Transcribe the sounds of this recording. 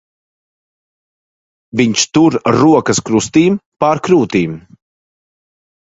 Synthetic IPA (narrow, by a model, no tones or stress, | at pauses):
viɲt͡ʃt̪uɾːuɔkɐskɾust̪iːmpaɾkɾuːt̪iːm